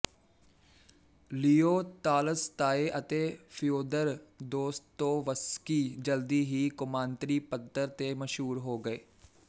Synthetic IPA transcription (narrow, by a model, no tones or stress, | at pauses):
liːoːt̪aːləst̪aːeʔət̪eːpʰɪjoːd̪əɾd̪oːst̪ːoːʋəskiːd͡ʒəld̪iːɦiːkʊmãːnt̪ɾiːpət̪ːəɾt̪eːməʃɦuːɾɦoːɡəeː